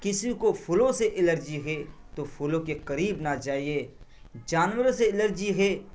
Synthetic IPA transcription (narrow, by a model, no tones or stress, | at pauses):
kɪsikopʰʊlõseʔɪləɾd͡ʒiɦeːt̪opʰʊlõkekɐɾiːbnat͡ʃaːɦieː | d͡ʒaːnwəɾseɪləɾd͡ʒiɦeː